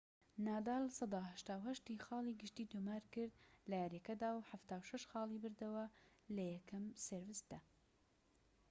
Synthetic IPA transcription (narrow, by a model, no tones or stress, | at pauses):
naːd̪aːlsˤɑd̪ɑːhɐʃt̪aːwɦɐʃt̪ixɑːlˠiɡɨʃt̪iːd̪omaːɾkɨɾd̪̚lajaɾekɐd̪aːwħaft̪aːwʃɐʃxɑːlˠibɨɾd̪ɐwɐ | lɐjɛkʰɐmseɾvɨsd̪̥ɐ